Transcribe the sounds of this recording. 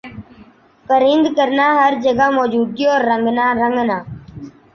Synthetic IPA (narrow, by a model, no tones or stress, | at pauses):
pəɾɪ̃nd̪kəɾnaːɦəɾd͡ʒəɡamɔːd͡ʒuːd̪̚ɡiɔːɾːə̃ŋɡnaːɾə̃ŋɡnaː